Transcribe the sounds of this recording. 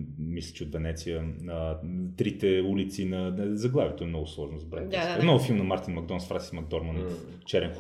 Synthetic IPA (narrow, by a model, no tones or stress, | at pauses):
mislʲə̥t͡ʃɛod̪vɛnɛt̪sijəət̪ɾit̪ɛulit̪sinɐzɐɡlˠavʲjit̪oɛmnɔɡʊslˠɔʒnʊzɐbɾɛnsnɔɡʊfilˠmnɐmaɾt̪inmɐɡd̪ɔnsfɾasi̥smɐɡ̚d̪ɔɾmənf | t͡ʃɛɾɛnx